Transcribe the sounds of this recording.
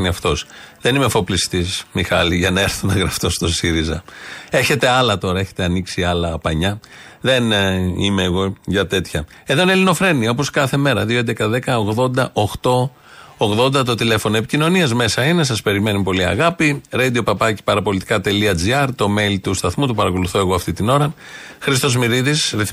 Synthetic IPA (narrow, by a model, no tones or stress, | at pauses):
niɐft̪o̞sðe̞nimefo̞plist̪ismixɐliʝɐnɐe̞ɾθunɐɣɾɐft̪o̞st̪o̞siɾizɐe̞çe̞t̪e̞ɐlɐt̪o̞ɾɐeçe̞̥t̪e̞ɐniksiɐlɐːpɐɲɐðe̞nḭme̞ːɣo̞ʝɐt̪e̞t̪çɐ | eðoinelino̞fɾe̞niɐo̞p̬o̞skɐθe̞me̞ɾɐðioekɐðe̞kɐoɣðo̞nd̪ɐʔo̞xt̪o̞ | oɣðo̞nd̪ɐt̪̬o̞t̪ile̞fo̞noe̞picino̞niɐzme̞sɐine̞s̬ɐspe̞ɾime̞nupo̞liɐ̰ɣɐpiɾɐd̪io̞pɐpɐci̥pɐɾɐpo̞lit̪i̥kɐt̪e̞liɐd͡ziɐɾt̪o̞me̞lt̪ust̪ɐθmut̪upɐɾɐko̞luθo̞e̞ɣoɐft̪it̪ino̞ɾɐxɾist̪o̞zmiɾiðisɾiθ